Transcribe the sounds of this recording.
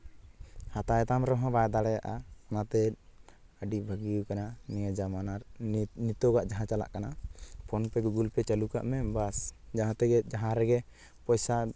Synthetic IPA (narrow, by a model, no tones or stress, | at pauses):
hat̪ajt̪amɾɔɦɔ̃bajd̪aɽɛjaʔaanat̪ɛ | əɖibʱəɡiukananijad͡ʒamanaɾnit̪ɔɡaʔd͡ʒaɦãt͡ʃala̰ʔkanapʰɔnpɛɡuɡulpɛt͡ʃaluka̰ʔmɛbasd͡ʒaɦãt̪ɛɡɛd͡ʒaɦãɾɛɡɛ | pɔjsa